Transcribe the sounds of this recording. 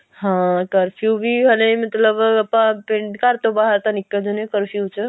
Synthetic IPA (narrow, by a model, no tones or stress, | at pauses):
ɦãkəɾpʰjubʱiɦəlemət̪ləbəpãpẽɳɖkaɾt̪obaɦəɾt̪ãnikːəd͡ʒunekəɾpʰijut͡ʃʰə